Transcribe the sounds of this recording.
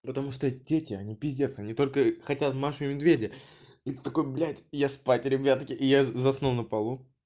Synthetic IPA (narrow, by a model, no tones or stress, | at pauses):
pət̪ɐmuʂt̪oɛtʲɪdʲetʲɪɐnʲibʲɪzʲdʲe̞sɐnʲit̪o̞lʲkəxɐtʲat̪maʂɨmʲɪd̪vʲedʲɪjə | ɛt̪ʲə̥t̪ːɐko̞jblʲætʲjaspatʲɾʲɪbʲat̪kʲɪʔɪjazɐsnonəpɐlˠu